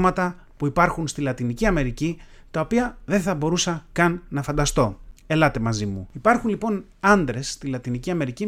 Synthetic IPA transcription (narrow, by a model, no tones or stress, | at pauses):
mɐt̪ɐ | puipɐɾxunst̪ilɐt̪iniciɐme̞ɾici | t̪ɐo̞piɐðe̞θɐbo̞ɾusɐkɐnːɐfɐnd̪ɐst̪o̞e̞lɐt̪e̞mɐzimuipɐɾxunlipo̞n | ɐnd̪ɾe̞sːt̪ilɐt̪iniciɐme̞ɾici